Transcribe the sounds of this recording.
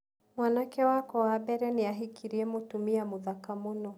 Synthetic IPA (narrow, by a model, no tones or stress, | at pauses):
mwanakɛwakɔwaɓɛɾɛniaɦikʰiɾiɛmutumiamuðakamunɔ